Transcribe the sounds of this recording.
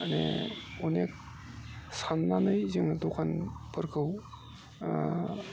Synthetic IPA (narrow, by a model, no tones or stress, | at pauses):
anḛɔnek̚ | sanːanɯjziŋadokʰanpʰɯɾkʰɯw